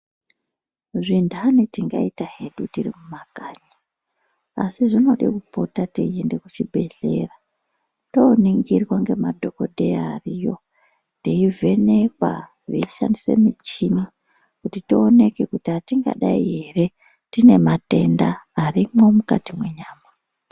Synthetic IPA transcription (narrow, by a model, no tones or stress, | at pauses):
ʐindʱanitiŋɡa̰itaɦe̞ɗutirimumaɡ̥ʱaːɲa | a̰siʐino̞ɗḭkupo̞tateiende̞kut͡ʃibʱe̞ɮe̞̰ra | to̞ːniŋɡirwaŋɡe̞madʱo̞kodʱejaːrijo̞̰ | teivʱe̞ne̞kwa̰ | ʐḛiʃa̰ndise̞̰mit͡ʃini | kutitione̞ke̞kutiatiŋɡa̰ɗaiɦe̞re̞ | tine̞mate̞ndaːrimo̞mukatimwe̞ɲaːma